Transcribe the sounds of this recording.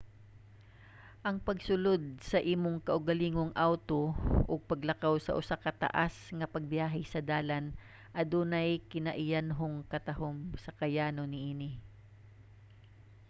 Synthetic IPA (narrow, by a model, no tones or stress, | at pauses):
ʔɐŋpɐɡsʊlod̪̚sɐʔiːmoŋkɐʔʊɡɐliːŋoŋʔawt̪oʔʊɡ̚pɐɡlɐkawsɐ̰ʔʊsakɐt̪ɐ̰ʔasŋɐpɐɡ̚bjaːɦɪsɐd̪aːlan | ʔɐd̪uːnajkɪnɐʔɪjanɦoŋkɐt̪ɐɦomsɐkɐjaːnonɪʔiːnɪ